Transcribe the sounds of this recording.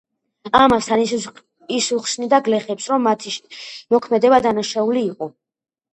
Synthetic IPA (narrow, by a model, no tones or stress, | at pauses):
amast̪ʰan | isuχsnid̪aɡlɛχɛpsɾɔmːat̪ʰiʃmɔkʰmɛd̪ɛbad̪anaʃauliːqʼɔ